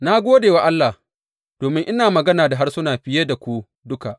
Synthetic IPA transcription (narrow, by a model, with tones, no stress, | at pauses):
na˦ɡʷoː˦deː˨wa˦ʔa˦lːa˨ | d̥oː˨mɪ˦ŋʔɪ˦naː˨mɐ˨ɡɐ˦naː˨da˨ɦa˦rsʊ˦naː˨ɸɪ˦je˦da˨kʷu˦ | dʊ˦ka˨ʔ